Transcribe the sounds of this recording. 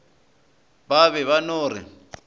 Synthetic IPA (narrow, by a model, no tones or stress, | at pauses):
baβɛβanoːrɪ̰